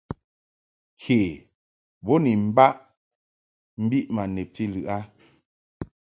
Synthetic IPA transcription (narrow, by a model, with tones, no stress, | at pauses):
kʰe˨ | bo˦ni˨m̩˦ba˦ʔ | m̩˦bi˦ʔma˨ne˨p̚ti˦lɯ˨ʔa˦